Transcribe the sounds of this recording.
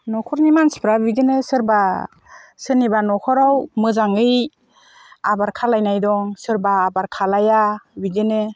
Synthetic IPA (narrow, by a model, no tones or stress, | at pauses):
nɔkʰɔɾnimanspʰɾabidɯnɯsɯɾba | sɯnibanɔkʰɔɾawmɯzaŋɯj | abaɾkʰalajnajdɔŋsɯɾbaːbaɾkʰalajabidɯnɯ